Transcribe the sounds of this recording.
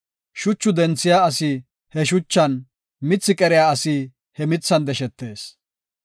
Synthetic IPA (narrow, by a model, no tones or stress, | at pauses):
ʃʊt͡ʃːʊd̪ɛnt͡sːɪjaːɐsɪ | hɛʃʊt͡ʃːɐn | mɪt͡sːɪkʼɛɾɪjaːɐsi | hɛmɪt͡sːɐnd̪ɛʃɛt̪ːe̞ːs